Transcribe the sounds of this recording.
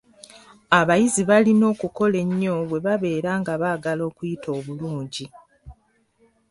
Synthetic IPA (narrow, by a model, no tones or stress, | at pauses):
aβajiziβalino̞ːkuko̞le̞ɲːo̞βwe̞βaβe̞ːɾaːŋɡaβaːɡalo̞ːkujitʰo̞ːβuluːɲɟi